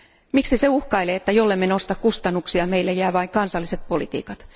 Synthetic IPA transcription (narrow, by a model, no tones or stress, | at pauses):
miksiseuhkɑileːet̪ːæjolːemːenost̪ɑkkust̪ɑnːuksiɑmeilːæjæːʋɑiŋkɑnsɑlːiset̪̚po̞lḭt̪ḭːkɑt̪